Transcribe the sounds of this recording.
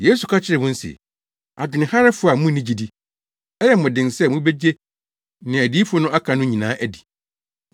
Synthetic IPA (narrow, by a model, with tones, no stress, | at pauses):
je˦su˨kʰa˦t͡ɕʰɪ˦ɾɪ˨mʊ̃˦n̩˦sɪ̰˨ | a˨d͡ʑʊ˨nɪ̃˨ha˦ɾɛ˦fʊ˦˨a˨mũ˦nɪ̃˦d͡ʑi˨di˦ | ɛ˦jɛ˨m̩˨ʊ̃˨dɪ̃˨nsɛ˦mʊ̃˦be˦d͡ʑe˦ | nɪ̃˨æ˨di˦fʊ˦ʊ˦nʊ̃˦a˦kʰã˨nʊ̃˦ɲĩ˨nãː˦ʔæ˨di̥˨